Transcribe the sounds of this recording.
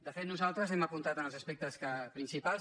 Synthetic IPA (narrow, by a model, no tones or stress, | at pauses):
d̪əfet̪nuzalˠt̪ɾəzɛməpunt̪at̪ənəlˠzəspek̚t̪əskəpɾinsipal